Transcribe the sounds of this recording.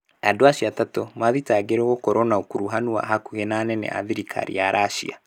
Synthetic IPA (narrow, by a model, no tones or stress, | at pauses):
adoaɕiatatɔmaðitaɡeɾɛɣokɔɾɔnaokuɾuɦanua̰ɦakuɣenanɛnɛ̰ʔa̰ðiɾikʰa̰ɾḭaɾʔaʃḭa̰